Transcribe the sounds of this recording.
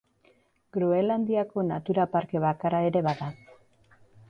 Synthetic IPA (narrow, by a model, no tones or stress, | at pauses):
ɡ̥ɾoeland̪iako̞nat̪uɾapaɾke̞βakaɾae̞ɾe̞βaða